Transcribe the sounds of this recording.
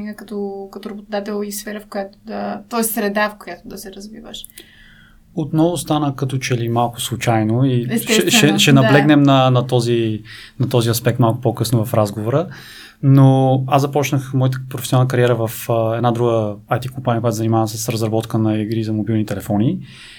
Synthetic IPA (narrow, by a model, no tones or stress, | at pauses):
iɡəkɐt̪ɔkɐt̪oɾɐbot̪ʊd̪at̪ɛlˠisfɛɾəfkʊjat̪ʊ̥d̪ɐt̪ɔɛst̪sɾɛd̪afkʊjat̪ʊd̪ɐsɛɾɐzvivə̰ʃ | ot̪nɔvʊst̪anəkɐt̪ɔt͡ʃɛlimalˠkʊ̥slˠʊt͡ʃajnoiɛsɛʃsɛʃɛʃɛnɐblɛɡnɛmnɐnɐt̪ɔzinɐt̪ɔziɐspɛk̚t̪malˠkʊ̥pokɤsnovɐfɾazɡovoɾə | noazɐpɔt͡ʃnəxmɔjət̪əpɾofɛsjonanəkɐɾijɛɾəvəfɛd̪nad̪ɾuɡəːjt̪ikompanʲiəkojat̪zənimavəsɛsɾɐzɾɐbɔt̪kənɐiɡɾizɐmobilˠnit̪ɛlɛfɔni